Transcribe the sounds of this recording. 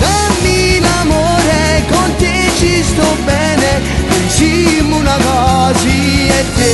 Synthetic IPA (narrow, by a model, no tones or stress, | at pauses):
d̪amːilamoɾekont̪et͡ʃist̪obɛːne | pent͡ʃimunakɔziet̪ːe